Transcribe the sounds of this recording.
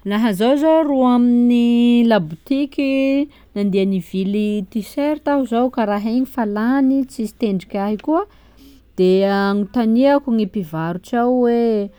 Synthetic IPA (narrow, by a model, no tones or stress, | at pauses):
laɦəzowzoruaminilabut̪ikʲi | nand̪ianivilit̪iseɾt̪aɦuzowkaɾaɦeɲifalanit͡sisi̥t̪eɳɖ͡ʐikʲaɦikuə | d̪̥eaŋit̪aniakuŋipivaɾuʈ͡ʂawwe